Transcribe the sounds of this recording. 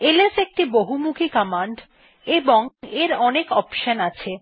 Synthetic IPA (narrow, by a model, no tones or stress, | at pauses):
elesek̚ʈiboɦumukʰikɔmaɳɖ | eboŋeɾɔnekɔpʃənat͡ɕʰe